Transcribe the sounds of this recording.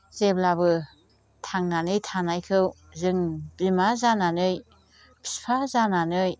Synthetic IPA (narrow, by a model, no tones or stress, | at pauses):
zeblabɯ | tʰaŋnanɯjtʰanajkʰɯw | zɯŋbimazananɯj | bʰi̥spʰazananɯj